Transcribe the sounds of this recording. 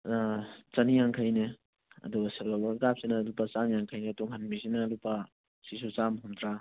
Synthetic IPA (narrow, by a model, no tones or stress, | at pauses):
t͡ʃɐnijaŋkʰajne | ɐ̰duɡɐselalɔɾɡap̚sinɐlupːɐt͡ʃanjaŋkʰɐjnetuŋɦɐnmisinɐlupːa | sisut͡ʃamɦumdɾa